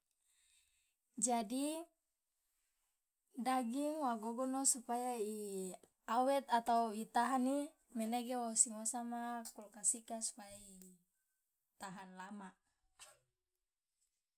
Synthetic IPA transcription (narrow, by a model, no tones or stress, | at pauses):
d͡ʒadi | daɡiŋwaɡoɡɔnosupajai | awɛt̪at̪auit̪aɦani | mɛneɡewosiŋosamakulkasikasu̥paji | t̪aɦanlamaʔ